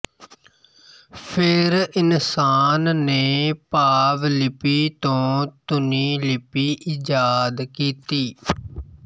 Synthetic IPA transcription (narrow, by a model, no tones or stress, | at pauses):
pʰɪɾɪnsaːnːeːpaːʋlɪpiːt̪õːt̪ʊniːlɪpiːʔid͡ʒaːd̪kiːt̪iː